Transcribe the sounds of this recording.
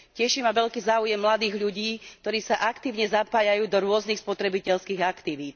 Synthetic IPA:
cɛʃimaʋɛʎkiːzaːujɛmːlad̪iːɣʎuɟiːkkt̪ɔɾiːsaʔakt̪iːʊɲɛzapaːjajuːd̪ɔɾʊɔznixspɔt̪ɾɛbicɛʎskiːɣakt̪iʋiːt̪

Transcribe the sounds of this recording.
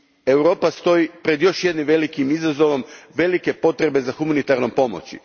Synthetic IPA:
ewɾo̞ːpast̪o̞ipɾe̞d̪jo̞ʃje̞d̪nimʋe̞likimizazo̞ʋo̞mʋe̞like̞po̞t̪ɾe̞be̞zaxumanit̪aɾnompo̞mo̰t͡ɕḭ

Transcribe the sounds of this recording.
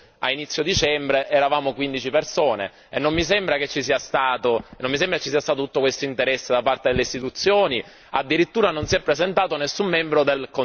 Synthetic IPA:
a̰init̪sːjod̪it͡ʃɛmbɾeʔɛɾavaːmokwind̪it͡ʃipersoːnḛ | enːomːisɛmbɾaket͡ʃːisiːast̪aːt̪onːõmːisembɾaket͡ʃːisiːast̪aːt̪ot̪ut̪ːokwest̪oint̪eɾɛsːed̪apart̪ed̪elːeist̪it̪ut̪sːjoːni | ad̪ːiɾit̪ːuːɾanonsiɛpːɾezent̪aːt̪onesːumːɛmbɾod̪elko

